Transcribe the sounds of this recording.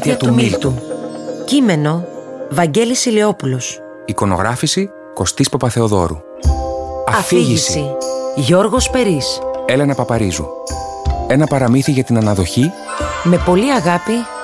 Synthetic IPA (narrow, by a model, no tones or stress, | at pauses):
t̪iɐt̪uumilt̪u | cime̞no̞vɐɲɟe̞lisileo̞pulos | iko̞no̞ɣɾɐfisi | ko̞st̪ispɐpɐθe̞o̞ðo̞ɾṵ | ɐɐfiʝiisiiʝo̞ɾɣo̞spe̞ɾise̞le̞nɐpɐpɐɾizṵ | e̞nɐpɐɾɐmiθiʝɐt̪inɐnɐðo̞çi | me̞po̞liɐɣɐpi